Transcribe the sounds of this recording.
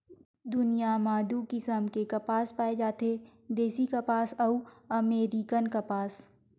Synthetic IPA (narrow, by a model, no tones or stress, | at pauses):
d̪ʊnijamaːd̪ukɪsəmkekapaːspaːed͡ʒaːt̪ed̪eːsikapaːsɐuɐmeːɾikənkapaːs